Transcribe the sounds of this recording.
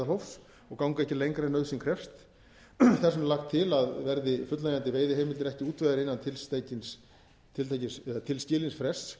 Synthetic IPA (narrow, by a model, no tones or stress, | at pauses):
alowfs | ɔɣkawŋkaɛhcɪlejŋkɾanœðsinkʰɾɛfst̪ | θasɛmlaxt̪ʰːɪlaðvɛɾðɪfʏt̪lajant̪ɪveːjðɪhɦeːmɪlt̪ɪɾɛhcɪuːt̪vaðaɾɪnːant̪ʰɪlst̪ajcɪns | t̪ʰɪlt̪ʰajcɪsat̪ʰɪlscɪːlɪnsfɾɛs